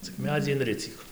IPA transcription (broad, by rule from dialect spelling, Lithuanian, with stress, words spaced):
t͡sʲɪk ˈmʲæːd͡zʲiː ɪnʲˈrʲɪt͡sʲiːk